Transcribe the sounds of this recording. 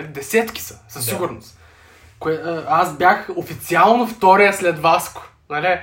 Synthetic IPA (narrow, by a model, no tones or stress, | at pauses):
d̪ɛsɛt̪kʲi̥sɐ̥sɐsːiɡʊɾnos | koɛasbjaxofit̪sialˠnoft̪ɔɾijəslɛd̪vaskʊ̥ | nalɛ